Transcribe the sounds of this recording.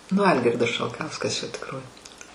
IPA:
nʊ ˈɐlʲɡʲɪrdɐs ʃɐlˠˈkɐʊskɐs t͡ʃʲɛ tʲɪkˈroːj

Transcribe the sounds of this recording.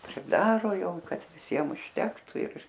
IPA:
pʲrʲɪˈdɑːroː ˈjɛʊ ˈkɐt ʋʲɪˈsʲiɛm ʊʃʲˈtʲæːktʊ ɪr

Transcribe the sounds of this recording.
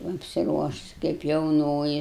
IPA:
ɐpʲsʲɪˈruɔʃʊs kɐɪp jɛʊˈnoːjɪ

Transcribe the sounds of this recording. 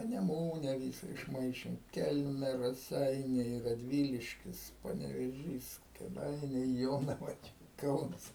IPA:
pɐnʲɛˈmuːnʲɛ ˈʋʲiːsɐ ɪʃˈmɐɪʃʲeːm ˈkʲɛlʲmʲɛ rɐˈsʲɛɪnʲɛɪ rɐˈdʲʋʲiːlʲɪʃʲkʲɪs pɐnʲɛʋʲeːˈʒʲiːs kʲeːˈdɐɪnʲɛɪ ˈjoːnɐʋɐ t͡ʃʲɛ ˈkɐʊnɐs

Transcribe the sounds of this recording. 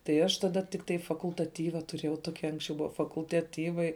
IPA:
tɐɪ ˈɐʃ tɐˈdɐ tʲɪkˈtɐɪ fɐkʊlˠtɐˈtʲiːʋɐ tʊˈrʲeːjɛʊ ˈtoːkʲɪ ˈɐŋksʲt͡ʃʲɛʊ ˈbʊʋɐ fɐkʊlˠtɐˈtʲiːʋɐɪ

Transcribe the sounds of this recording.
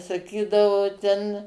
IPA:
sɐˈkʲiːdɐʋoː ˈtʲɛn

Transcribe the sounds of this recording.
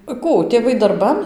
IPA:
ˈkuː tʲeːˈʋɐɪ dɐrˈbɐn

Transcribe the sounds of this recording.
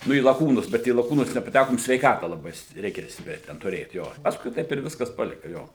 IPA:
ˈnʊ iː lˠɐˈkuːnʊs bʲɛt iː lˠɐˈkuːnʊs nʲɛpɐˈtʲækoːm sʲʋʲɛɪˈkɑːtɐ lˠɐˈbɐɪ st ˈrʲɛɪkʲɛ ˈsʲtʲɪpʲrʲɛ tʲɛn tʊˈrʲeːt ˈjoː ˈpɑːskʊɪ ˈtɐɪp ɪr ˈʋʲɪskɐs ˈpɑːlʲɪkɐ ˈjoː

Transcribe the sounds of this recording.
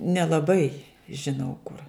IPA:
nʲɛlˠɐˈbɐɪ ʒʲɪˈnɐʊ kʊr

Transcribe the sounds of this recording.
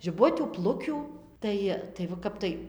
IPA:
ʒʲɪˈbʊtʲuː ˈplˠʊkʲuː ˈtɐɪ tɐɪ ʋɐ ˈkɐp tɐɪ

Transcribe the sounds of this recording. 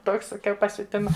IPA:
ˈtoːks sɐˈkʲɛʊ pɐsʲʊˈtʲɪmɐ

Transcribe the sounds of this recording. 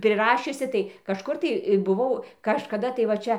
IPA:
pʲrʲɪˈrɑːʃʲʊsʲɪ tɐɪ kɐʃˈkʊr tɐɪ bʊˈʋɐʊ kɐʃkɐˈdɐ tɐɪ ʋɐ ˈt͡ʃʲɛ

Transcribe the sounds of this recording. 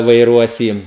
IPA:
ʋɐɪˈruɔs ˈjiː

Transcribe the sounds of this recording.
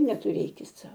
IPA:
nʲɛtʊˈrʲeːkʲɪt ˈsɐʊ

